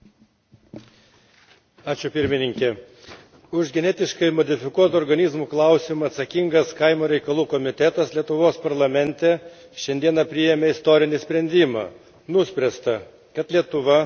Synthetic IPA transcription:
ɑːt͡ʃʲʊpʲɪɾʲmʲɪnʲɪŋʲkʲɛ | ʊʒɡʲɛnʲɛt̪ʲɪʃkɐɪmɔd̪ʲɪfʲɪkuɔt̪ʊɔɾɡɐnʲɪzmuːklˠɐˑʊsʲɪmuɐt̪sɐkʲiŋɡɐskɐɪmoːɾʲɛɪkɐlˠuːkɔmʲɪt̪ʲɛt̪ɐslʲiɛt̪ʊʋoːspɐɾlˠɐmʲɛnʲt̪ʲɛ | ʃʲɛnʲd̪ʲiɛnɐpʲɾʲɪjɛmʲɛɪst̪oːɾʲɪnʲɪsʲpʲɾʲɛnʲd̪ʲɪmɑ̰ː | nʊsʲpʲɾʲɛst̪ɐ | kɐt̪lʲiɛt̪ʊʋɐ

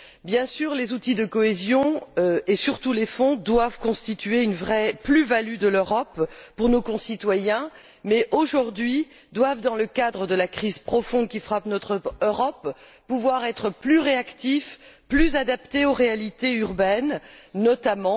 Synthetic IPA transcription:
bjɛ̃syːʁlezut̪id̪əkɔezjɔ̃øesyʁt̪ulefɔ̃d̪wavkɔ̃st̪it̪yeynvʁɛplyvalyd̪əløʁɔpːuʁnokɔ̃sit̪wajɛ̃ | mɛʔoʒuʁd̪ɥi | d̪wavd̪ɑ̃ləkad̪ʁəd̪əlakχizpχɔfɔ̃d̪̚kʲifχapnɔt̪χəøʁɔpː | uvwaʁɛt̪χəplyʁeakt̪ifplyzad̪apt̪eoʁealit̪eyʁbɛnːɔt̪amɑ̃

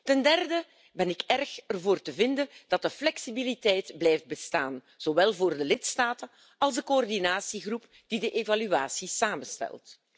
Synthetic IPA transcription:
tɛndɛrdə | bɛnɪkɛrxərvoːrtəvɪndənd̥ɑt̚dəflɛksibilitɛjtblɛjft̚bəstaːn | z̥oʋɛlˠvoːrdəlɪtstaːtən | ɑlˠzdəkoɔrdinaːsiɣrup | d̥idəʔevalyaːsisaːmənstɛ̰lˠt

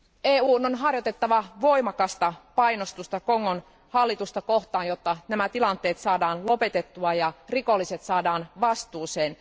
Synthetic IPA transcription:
eːuːnonɦɑrjot̪et̪ːɑʋɑʋo̞imɑkɑst̪ɑpɑijnost̪ust̪ɑkoŋːon | hɑlːit̪ust̪ɑkoht̪ɑːnjot̪ːɑnæmæt̪ilɑnt̪ːˑe̞ːt̪sɑːdɑːnlope̞t̪et̪ːuɑjɑriko̞lːiset̪sɑːdɑːnʋɑst̪uːseːn

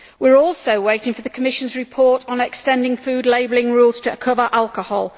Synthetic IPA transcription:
wɪəɹɔˑlˠsəʊweɪtɪ̃ŋfəðəkʰəmɪʃə̃nzɹɪpʰɔˑtn̩ɛkstɛ̃ndɪ̃ŋfʉːdˡleɪbəlɪ̃ŋɹuːlˠz̥tʰəkʰʊvəɹʔalˠkəhɔːlˠ

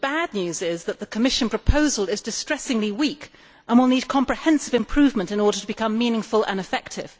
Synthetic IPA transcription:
b̥ædⁿnjʉzɪzðɨt̪̚ðɨkʰəmɪʃɨ̃npʰɹ̥əpʰoʊzəlˠɪzdɨstɹ̥ɛsɪ̃ŋliwik | ʔə̃nwɪlˠnid̚kʰɑ̃mpɹ̥ɨhɛ̃nsɨvɨ̃mpʰɹ̥ʉvmə̃ntɨ̃nɔɹɾətʰəbɨkʰʌ̃mːĩnɪ̃ŋfəlˠʔə̰̃nɨfɛk̚tʰɪ̰v̥

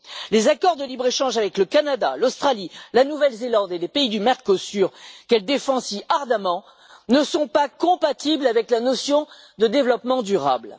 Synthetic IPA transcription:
lezakɔʁd̪əlibʁeʃɑ̃ʒavɛkləkanad̪alost̪χalilanuvɛlzelɑ̃d̪elepeid̪ymɛʁkosyʁkɛld̪efɑ̃siʔaʁd̪amɑ̃ | nəsɔ̃pakɔ̃pat̪iblavɛklanɔsjɔ̃ | d̪əd̪evlɔpmɑ̃d̪yʁa̰bl

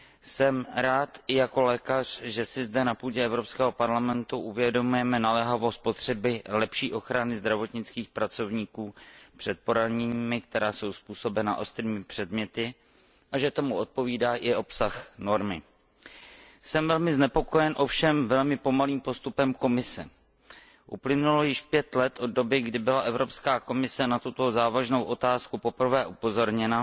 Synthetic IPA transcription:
sɛmɾaːt̪ɪjako̞lɛːkar̝̥ʒɛsɪzdɛnapuːɟɛɛvɾopskɛːɦo̞paɾlamɛnt̪uʔuvjɛdo̞mujɛmɛnalɛɦavost̪̚po̞t̪r̝̥ɛbɪlɛpʃiːʔo̞xɾanɪzd̪ɾavo̞t̪ɲɪt͡skiːxpɾat͡so̞vɲiːkuːpr̝̥ɛt̪̚po̞ɾaɲɛɲiːmɪk̚t̪ɛɾaːso̞wspuːso̞bɛna̰ʔo̞st̪ɾiːmɪpr̥ɛdmɲɛt̪ɪ | ʔaʒɛt̪o̞muʔo̞t̪̚po̞viːdaːʔɪʔo̞psaxno̞ɾmɪ | sɛmvɛlmɪznɛpo̞ko̞jɛnʔo̞fʃɛmvɛlmɪpo̞maliːmpo̞st̪upɛmko̞mɪsɛ | ʔuplɪnulo̞jɪʃpjɛt̪lɛt̪ʔo̞d̚do̞bɪɡdɪbɪlaʔɛvɾo̞pskaːko̞mɪsɛnat̪ut̪o̞zaːvaʒnowʔo̞t̪aːskupo̞pr̩vɛːʔupo̞zo̞ɾɲɛna

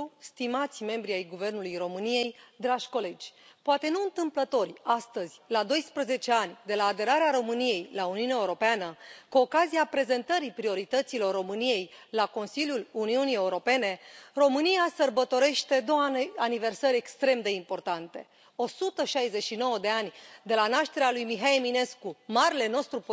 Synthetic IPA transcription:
st̪imat̪sʲme̞mbɾiajɡuve̞rnulujro̞mɨnije̞jd̪ɾaʒʲko̞le̞d͡ʒʲpoat̪e̞nuɨnt̪ɨmplət̪o̞rʲast̪əzʲlad̪o̞jspɾəze̞t͡ʃe̞anʲd̪e̞laːd̪e̞ɾaɾeaɾo̞mɨnije̞jlauniuneaeuɾo̞peanəkuo̞kaziapɾe̞ze̞nt̪əɾipɾio̞ɾit̪ət̪silo̞rːo̞mɨnije̞jlako̞nsilʲjuluniunije̞uɾo̞pe̞ne̞ro̞mɨnijasərbət̪o̞ɾe̞ʃt̪e̞d̪o̞wanive̞rsəɾʲe̞kst̪ɾe̞md̪e̞impo̞rt̪ant̪e̞ | o̞sut̪əʃajzeʃino̞wəd̪e̞anʲd̪e̞lanaʃt̪e̞ɾealujmiɦaemine̞skumaɾele̞no̞st̪ɾup

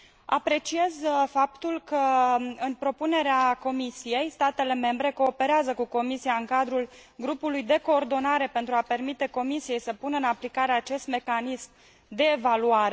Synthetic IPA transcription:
a̰pɾe̞t͡ʃie̞zfapt̪ulkəɨnpɾo̞pune̞ɾeako̞misije̞jst̪at̪e̞le̞me̞mbɾe̞ko̞ːpe̞ɾeazəkuko̞misiaɨŋkad̪ɾulɡɾupulujd̪e̞ko̞ːrd̪o̞naɾe̞pe̞nt̪ɾuape̞rmit̪e̞ko̞misije̞jsəpunəɨnaplikaɾeat͡ʃe̞st̪me̞kanism | d̪e̞ːvaluaɾe

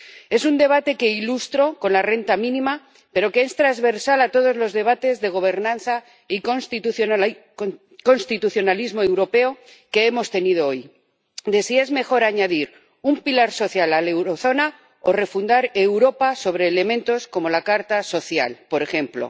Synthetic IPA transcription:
e̞sund̪e̞β̞at̪e̞ke̞ilust̪ɾo̞ko̞nlare̞nt̪amĩnĩma | pe̞ɾo̞keest̪ɾazβe̞ɾsalat̪o̞ð̞o̞zlo̞zðe̞β̞at̪e̞zðe̞ɣ̞o̞β̞e̞ɾnãnθa | ikonst̪it̪uθjo | ko̞nst̪it̪uθjonalizmo̞e̞wɾo̞pe̞o̞ke̞e̞mo̞st̪e̞nið̞oo̞j | d̪e̞sie̞zme̞xo̞ɾaɲaðiɾ | umpilaɾso̞θjalale̞wɾo̞θo̞na | o̞re̞fund̪aɾe̞wɾo̞paso̞β̞ɾe̞ːle̞mẽnt̪o̞sko̞mo̞lakaɾt̪aso̞θja̰lpo̞ɾe̞xe̞mplo̞̰

